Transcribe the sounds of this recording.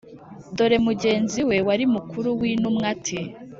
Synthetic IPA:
do̞ɾe̞muɟe̞ːnziwe̞waɾimukuɾuwinumŋatʰi

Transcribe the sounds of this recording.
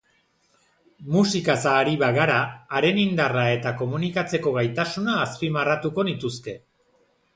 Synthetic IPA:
musikasaːɾiβaɣaɾaːɾe̞nind̪arae̞t̪ako̞munikat͡se̞ko̞ɣajt̪asunaːspimarat̪uko̞nit̪uske̞

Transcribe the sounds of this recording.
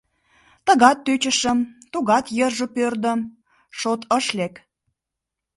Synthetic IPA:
t̪ə̆ɣɑt̪ːøt͡ɕə̆ʃə̆mt̪uɣɑt̪jərʒə̆pørd̪ə̆m | ʃot̪əʃlek

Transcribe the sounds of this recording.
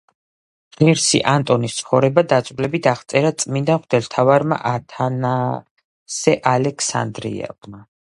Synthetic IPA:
ʁiɾsḭʔant̪ʼɔnist̪sʰχɔvɾɛbad̪at̪sʼvlɛbit̪ʰaʁt̪sʼɛɾat̪sʼmind̪anχd̪ɛlt̪ʰavaɾma̰ʔat̪ʰana | sɛʔalɛkʰsa̰nd̪ɾḭɛ̰vma

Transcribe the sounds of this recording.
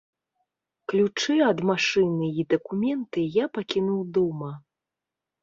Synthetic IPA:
klʲut͡ʂɨɐd̪maʂɨnɨid̪ɐkumʲɛnt̪ɨjapakʲinuwd̪ɔmɐ

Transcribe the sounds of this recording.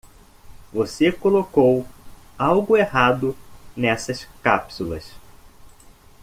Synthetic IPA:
vosekolokowawɡʊehad̪ʊnɛsɐskapsulɐ̰s

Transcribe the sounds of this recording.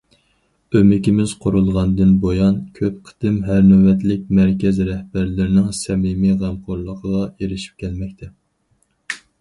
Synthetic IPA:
ømɪkʲimɪz̥qʰoɾulˠʁɑnd̪ɨnbojɑnkʲʰøp̚qʰə̥t̪ɪmɦæɾnɛwɛt̪lɪk̚ʲmæɾkʲɛzɾɛhbæɾlɪɾɪnɪŋsɛmimiʁæmqʰoɾlˠəqʰəʁɑeɾɪʃi̥p̚kʲʰɛlmɛkʲt̪ʰɛ

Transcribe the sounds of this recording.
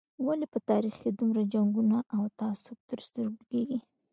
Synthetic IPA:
walipət̪ɑɾixked̪umɾad͡ʒaŋɡunaʔawt̪aasʊk̚t̪əɾst̪əɾblkeɡi

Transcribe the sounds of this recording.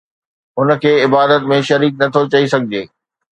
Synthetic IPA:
ʊn̆kʰeːɪbaːd̪ət̪mẽʃɐɾiːk̚nɐt̪ʰot͡ɕɐisɐɡʱɪd͡ʑeː

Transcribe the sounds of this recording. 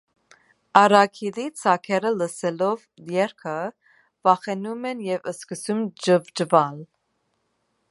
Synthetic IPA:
ɑɾɑkʰilit͡sʰɑkʰɛɾələsɛlɔvjɛɾkʰə | vɑχɛnumɛnjɛvəskəsumd͡ʒəvd͡ʒəvɑl

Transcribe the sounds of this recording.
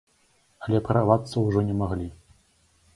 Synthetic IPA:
ɐlʲɛpɾavat̪sːɐwʐɔnʲɛmaɣlʲi

